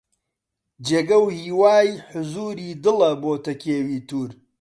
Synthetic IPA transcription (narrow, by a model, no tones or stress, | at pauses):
d͡ʒeːɡɐwhiːwaːjħʊzuːɾiːd̪ɨlɐboːt̪ɐkʰeːwiːt̪uːɾ